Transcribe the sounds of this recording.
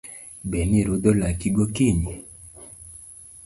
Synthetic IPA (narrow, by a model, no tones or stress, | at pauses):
beniɾud̪ɔlakiɡokiɲi